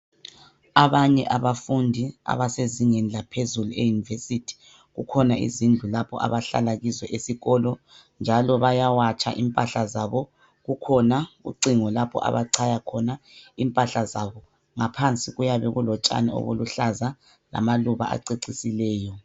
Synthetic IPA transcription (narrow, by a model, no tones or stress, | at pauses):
aβaɲɛʔaβafundʱia̰βaseziŋenilapʰezuluejunivesitʰi̥ | ɣukʰɔnaʔḭzind͡ɮʱulapʰɔ̰ʔa̰βaɬa̰laɣizwɛʔesiɣɔlɔ | nd͡ʒʱalɔβajawat͡ʃʼʰa̰ʔimpʼaɬazaβɔ | ɣukʰɔnaṵǀiŋɔlapʰɔ̰ʔa̰βaǀʰajakʰɔnaimpʼaɬazaβɔ | ŋapʰant͡sʼiɣujaβɛɣulɔt͡ʃʼa̰nɛo̰βṵluɬaza | la̰maluβa̰ʔa̰ǀeǀisilɛːjɔ